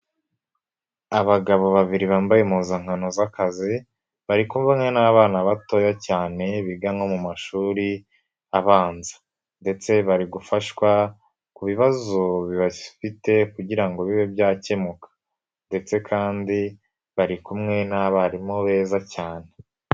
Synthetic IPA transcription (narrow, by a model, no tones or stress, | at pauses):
aβaɡaβo̞βaβiɾiβaːmbajemuːzaŋ̥hanozakazi | βaɾikumvamŋe̞naβaːnaβato̞jacaːne̞βiɡaŋo̞mumaʃuːɾi | aβaːnzḁ | nde̞t͡se̞βaɾiɡufaʃkwa | kuβiβazo̞βiβafite̞kuɟiɾaŋɡo̞βiβebjaːcemukʰḁ | nde̞t͡se̞kʰaːndi | βaɾikumŋe̞naβaɾimoβe̞ːzacaːne̞